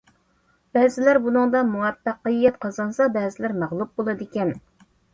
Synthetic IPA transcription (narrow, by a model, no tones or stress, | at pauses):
bɛːzɪlæɾbunɨŋd̪ɑmuwɛpːæqːɨjːɛt̪qʰɑzɑnsɑbɛːzɪlæɾmæʁlˠup̚bolˠɨd̪ɪkʲɛn